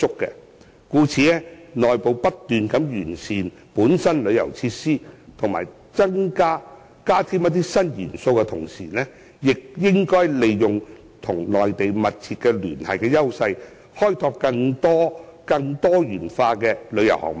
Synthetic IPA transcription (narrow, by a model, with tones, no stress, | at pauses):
t͡sʊ˥kːɛ̰ː˧ | kuː˨˥t͡sʰiː˨˧ɛ˥nɔː˨jpo˨˧wpɐ˥t̚t̪yː˨nkɐ˨˧˥mjyː˨˩nsiː˨n | puː˨˥nsɐ˥nlɵ˨˧ɥjɐ̰˨˩wt͡sʰiː˧tsiː˥t̪ʰʊ˨˩ŋma̰ː˨˩j | t͡sɐ˥ŋkaː˥ | kaː˥t̪ʰiː˥mjɐ˥t̪̬ːiː˥sɐ˥njḭː˨˩nso˧wkɛ˧t̪ʰʊ˨˩ŋsḭː˨˩nɛː˥ | jɪ˨k̚jɪ˥ŋkɔː˥jle˨jːʊ˨ŋ | t̪ʰʊ˨˩ŋlɔː˨jt̪e˨jmɐ˨t̚t͡sʰiː˧t̚kɛ˧ly̰ː˨˩nhɐ̰˨jkɛː˧jɐ˥wsɐ˧j | hɔː˥jt̪ʰɔː˧p̚kɐ˧ŋt̪ɔː˥kɐ˧ŋt̪ɔː˥jyː˨˩nfaː˧kɛː˧lɵ˨˧ɥjɐ˨˩whɔ̰˨k̚m˨